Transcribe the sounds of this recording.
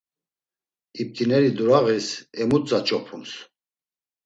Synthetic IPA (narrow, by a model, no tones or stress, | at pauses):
ip̚t̪ʰinɛɾid̪uɾaʁisɛmut͡sʼat͡ʃʼɔpʰums